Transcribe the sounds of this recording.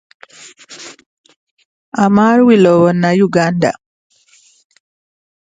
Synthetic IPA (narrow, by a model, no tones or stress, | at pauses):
amaɾwilɔwɔnːajuɡanda̰